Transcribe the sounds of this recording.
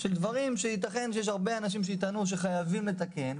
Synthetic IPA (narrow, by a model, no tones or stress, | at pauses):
ʃeld̪vaʁimʃeit̪̬aχe̞nʃejeʃaʁbeanaʃ̬imʃ̬eit̪anuʃ̬e̞χajavimle̞t̪ake̞n